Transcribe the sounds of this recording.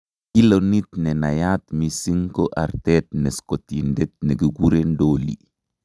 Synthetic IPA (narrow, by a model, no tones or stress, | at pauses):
kilonit̪nɛnajat̪misiŋkoʔa̰ɾtɛt̚nɛskotindɛt̪̚neɡiɡuɾendoːlḭ